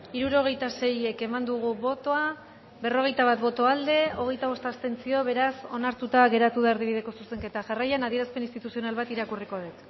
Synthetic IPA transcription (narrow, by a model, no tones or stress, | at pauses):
iɾuɾo̞ɣ̞e̞jt̪ase̞je̞ke̞mand̪uɣ̞uβo̞t̪o̞a | be̞ro̞ɣ̞e̞jt̪aβat̪βo̞t̪o̞ald̪e̞oɣ̞e̞jt̪aβo̞st̪ast̪e̞nt͡sio̞β̞e̞ɾaso̞naɾt̪ut̪aɣe̞ɾat̪uðaeɾðiβið̞e̞ko̞suse̞ŋket̪aʝarajanaðie̞ɾaspe̞ninst̪it̪usio̞nalβat̪iɾakuriko̞ðet̪